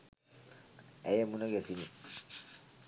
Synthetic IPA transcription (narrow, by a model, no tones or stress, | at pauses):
ɛjemunaɡesini